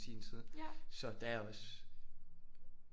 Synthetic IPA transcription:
siːnsʰið̞ˠsɒ̽d̥ææɐɒ̽s

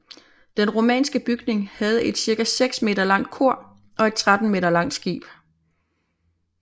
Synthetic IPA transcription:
d̥enʁo̝mɛ̰ːnsɡ̥əb̥yɡ̥ne̝ŋhæð̞̩ˠe̝d̥siɐɡ̥æseɡ̥sme̝̰ːd̥ɐlɑ̈ŋ̰d̥̚kʰo̝ɐ̰ | ʔɒ̽e̝d̥̚t͡sʰʁad̥n̩me̝̰ːd̥ɐlɑ̈ŋ̰d̥sɡ̥ḭːb̥

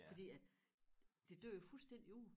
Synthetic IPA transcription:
fɒ̽d̥ḭːæd̥ | d̥e̝d̥øɐ̰jo̝fulsd̥en̰d̥iuðˠ

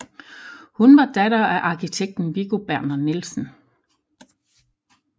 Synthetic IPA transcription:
hunʋɑ̈d̥ædɐæʔɑ̈kʰit͡sʰeɡ̥̚d̥n̩ʋiɡ̥o̝b̥æɐnɐnilsn̩

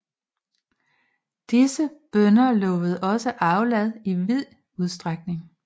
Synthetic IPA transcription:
d̥isəb̥œnɐlɔ̽ːʋəð̞̩ˠɒ̽səʔɑ̈ʊlɛð̰ˠiʋið̰ˠ | uð̞ˠsd̥ʁaɡ̥̚ne̝ŋ

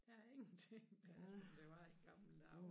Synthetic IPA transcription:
d̥æeŋn̩t͡sʰeŋd̥æsd̥eʋɑeɡ̥ɑml̩d̥ɑ

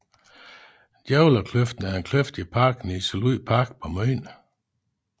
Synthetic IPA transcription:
d̥jɛʊlɐkʰløfd̥n̩æɐe̝nkʰløfd̥ipʰɑ̈ːɡ̥nisəluð̰pʰɑ̈ɡ̥pʰɒ̽mœːn

